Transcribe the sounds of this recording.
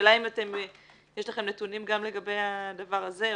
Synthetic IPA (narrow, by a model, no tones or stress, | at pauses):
lajimat̪e̞m | jeʃlaχe̞mnet̪unimɡamle̞ɡabejad̪avaʁaze̞